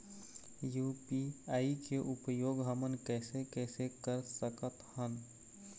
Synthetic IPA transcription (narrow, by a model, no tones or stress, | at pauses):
juːpiaːikeʔʊpəjoːɡɦəmənkɛːsekɛːsekəɾsəkət̪hən